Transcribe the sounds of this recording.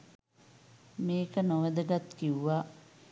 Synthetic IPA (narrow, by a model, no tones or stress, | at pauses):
meːkənoʋəd̪əɡat̪kiuʋa